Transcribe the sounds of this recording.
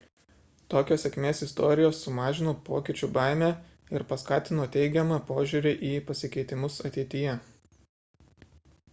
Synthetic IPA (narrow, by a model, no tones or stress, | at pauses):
t̪oːkʲoːsʲɛkʲmʲeːsɪst̪oːɾʲɪjoːsːʊmɑːʒʲɪnoːpoːkʲɪt͡ʃʲuːbɑˑɪmʲæː | ɪɾpɐskɑːt̪ʲɪnoːt̪ʲɛɪɡʲɛmɑpoːʒʲuɾʲɪʔiːpɐsʲɪkʲɛɪt̪ʲɪmʊsɐt̪ʲɛɪt̪ʲɪjɛ